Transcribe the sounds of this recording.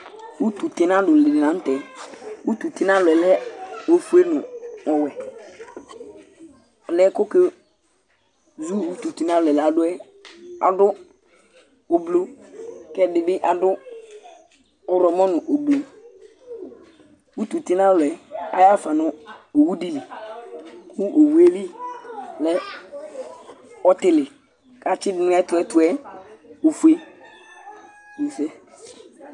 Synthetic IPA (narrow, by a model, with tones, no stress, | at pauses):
u˦t̪u˨tɪ˨nã˦dʊ˨le˨de˨nã˨˦tɛ˨u˦t̪u˨tɪ˦n˦ã˦lʊ˨ɛ˨lɛ˦o˦fu˦e˦nʊ̃˨ɔ˨wɛ˨ | ɔ˨lɛ˦kʊ˦ke˦ | zu˦˨wu˦tu˨ti˦nã˦lʊ˨ɛ˨la˨dʊ˦ɛ˦ | a̰˨dʊ˦ | o˨blo˦kɛ˦dɪ˨bɪ˦ʔa˨dʊ˦ | ɔ˨ɾɔ˨mɔ˦nʊ˨ʔo˨blo˨ | wu˦tu˨tɪ˦nã˦lʊ˨ɛ˨a̰˨˦ja˦fa˨nɔ˨o˨wu˦di˦˨li˨ | kʰu˦ʔo˨wu˦e˦li˦ | lɛ˦ | ɔ˦tɪ˨lɪ˨ | ka˨t͡ʃɪ˦dɪ˨nʊ̃˦ɛ˦tʊ˨ɛ˦tʊ˨ɛ˦ | o˨fu˨e˦˨ | i˨sɛ˦